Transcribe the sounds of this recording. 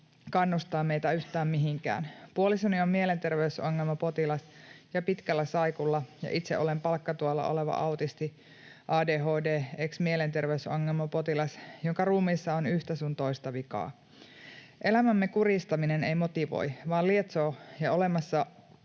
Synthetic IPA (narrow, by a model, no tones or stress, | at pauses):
kɑnːust̪ɑːme̞jt̪æyçt̪æːmmiɦiŋkæ̰ːnpuolisoniomːie̞le̞nt̪e̞rʋeysoŋːelmɑpo̞t̪ilɑsjɑpit̪kælːæsɑjkulːɑjɑ̰ʔit̪seʔo̞lempɑlkːɑt̪uɑlːɑ̰ʔo̰le̞ʋɑ̰ʔɑwt̪ist̪i | ʔɑːdeːɦo̞ːdeːeksmiele̞nt̪e̞rʋeysoŋːe̞lmɑpo̞t̪ilɑsjoŋkɑruːmiːsːɑonyht̪æsunt̪oist̪ɑʋikɑ̰ː | ʔe̞læmæmːekurist̪ɑmine̞nejmo̞t̪iʋo̰jʋɑːliet̪so̞ːjɑo̞le̞mɑsːɑ